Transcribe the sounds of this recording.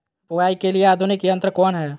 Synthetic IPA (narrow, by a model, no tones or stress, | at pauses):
pʊɡaːikelieaːd̪ʱʊnɪkiə̃nt̪ɾəkɔːnɦɛː